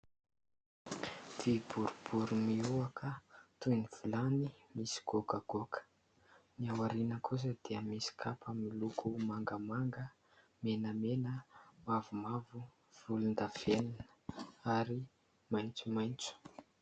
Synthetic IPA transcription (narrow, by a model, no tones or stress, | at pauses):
d̪̥ib̥uɾub̥uɾumiuakʰət̪univ̥ulanimisi̥ɡ̥okəɡ̥okʰə̥ | miawaɾinəkʰus̬əd̪̥eəmisi̥kʰapʰəmilukʰumaŋɡəmaŋɡə | menəmenəmavumavu | v̥ulund̪av̥eninəaɾi | majnt͡sumajnt͡su̥